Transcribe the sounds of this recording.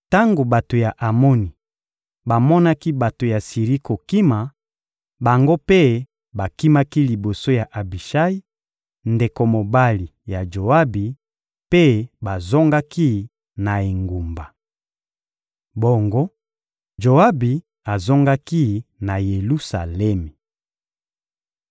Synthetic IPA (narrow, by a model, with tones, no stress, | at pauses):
ta˦ŋɡo˨ba˨to˨ja˨ʔa˨mo˦ni˨ | ba˨mɔ˦na˦ki˦ba˨to˨ja˨si˨ʁi˦ko˨ki˦ma˨ | ba˨ŋɡo˦pe˦ | ba˨ki˦ma˦ki˦li˨bo˨so˦ja˨ʔa˨bi˨ʃa˦i˦ | nde˨ko˨mo˨ba˦li˨ja˨d͡ʒo˨a˦bi˨ | pe˦ba˨zɔ˦ŋɡa˦ki˦ | na˨e˨ŋɡu˨mba˨ | bo˨ŋɡo˦ | ʒo˨a˦bi˨ | a˨zɔ˦ŋɡa˦ki˦na˨je˨lu˦sa˨lɛ˦mi˨